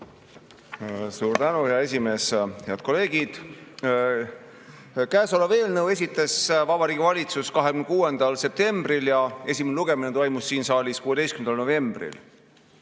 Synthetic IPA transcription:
suːɾt̪ænuheɑe̞s̬ʲime̞ːsheɑd̪̥̚ko̞le̞ːɡid̪̥ | kæːsolɑve̞ːlnɤwe̞s̬ʲit̪ːˑesvɑbɑɾiːɡ̥ʲivɑlʲit̪suskɑɦekymnekuːend̪̥ɑlse̞p̚t̪e̞mb̥riljɑe̞sʲimenluɡ̥e̞minet̪o̞jmusːiːnsɑːliskuːe̥ejskymnɑlno̞ve̞mb̥rḭl

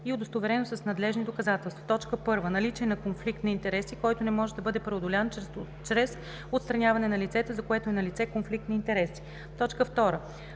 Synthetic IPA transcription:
iʊd̪ost̪ovɛɾɛnosɐsnɐd̪lɛʒnid̪okɐzat̪ɛlˠst̪vot̪ɔt͡ʃkəpɤɾvənɐlit͡ʃɛnɐkonflik̚t̪nɐint̪ɛɾɛsikɔjt̪onɛmɔʒɛd̪ɐbɤd̪ɛpɾɛod̪olʲan | t͡ʃɾɛs | ot̪st̪ɾɐnʲjavɐnɛnɐlit̪sɛt̪ɛzɐkoɛt̪oɛnɐlit̪sɛkonflik̚t̪nɐint̪ɛɾɛsi̥ | t̪ɔt͡ʃkəft̪ɔɾə

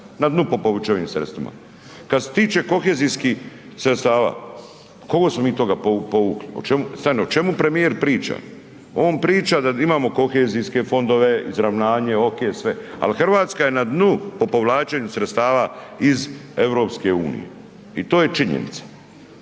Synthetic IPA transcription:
nad̪nupo̞poʋut͡ʃeʋimsɾe̞t̪st̪ʋḭma̰ | kad̪set̪iːt͡ʃe̞ko̞xeːzijskixsɾet̪st̪aːʋa̰ː | ko̞ɡosmo̞miːt̪o̞ɡapopo̞ʋuːklio̰t͡ʃemust̪aːɾnoot͡ʃe̞mupɾe̞mijeɾpɾiːt͡ʃa̰ | o̞ːnpɾiːt͡ʃad̪aimaːmo̞ko̞xe̞ːziske̞fo̞nd̪oʋe̞izɾaʋnaːɲe̞okesʋea̰lixr̩ʋaːt̪skaje̞nad̪nupo̞po̞ʋlaːt͡ʃeɲusɾet̪st̪aːʋaize̞ʋɾo̞ːpske̞uːnḭjḛ | it̪o̞ːje̞t͡ʃiɲḛnḭt̪sḁ

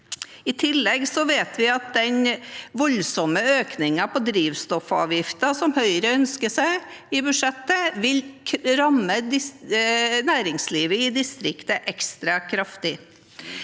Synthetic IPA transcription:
ɪt̪ʰɪlːɛɡsɔʋeːt̪ʰʋɪɑt̪̚d̪ɛɲʋɔlsɔməøːknɪŋɑpʰɔd̪ɾiːʋst̪ɔfɑ̰ːʋjɪft̪əsɔmhœʏɾəœnskəsæɪɪbʉʂɛt̪ːəʋɪlʰɾɑmːəd̪ɪ | næːɾɪŋsliːʋəɪd̪ɪst̪ɾɪkt̪əʔɛkst̪ɾɑkʰɾɑft̪ɪ

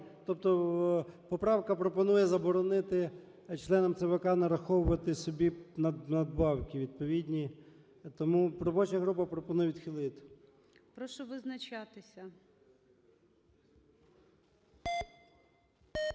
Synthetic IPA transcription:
t̪ɔp̚t̪ɔ | pɔpɾɑwkɐpɾɔpɔnujɛzɐbɔɾɔnɪt̪ɪ | t͡ʃlˠɛnɔmt̪sɛʋɐkɑnɐɾɐxɔwʊʋɐt̪ɪsɔbʲinɐnɐd̪̚bɑwkʲiʋʲid̪̚pɔʋʲid̪ʲnʲi | t̪ɔmuɾɔbɔt͡ʃɐɐɦɾup̬ɐpɾɔpɔnujɛʋʲid̪xʲɪlˠɪt̪ɪ̥ | pɾɔʃɔʋɪznɐt͡ʃat̪ɪsʲɐ

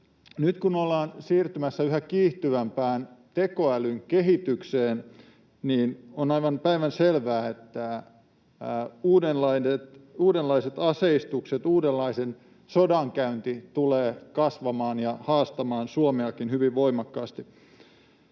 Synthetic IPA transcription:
nyt̪kunolːɑːnsiːrt̪ymæsːæyɦækiːht̪yʋæmpæːnt̪eko̞ælyŋkeɦit̪ykseːn | niːnonɑjʋɑnpæiʋænselʋæːet̪ːæ | uːdenlɑinet̪uːdelːɑiset̪ɑseist̪ukset̪uːdelːɑisen | sodɑŋkæynt̪it̪uleːkɑsʋɑmɑːnjɑhɑːst̪ɑmɑːnsuomeɑkinhyʋiʋʋo̞imɑkːɑːst̪i

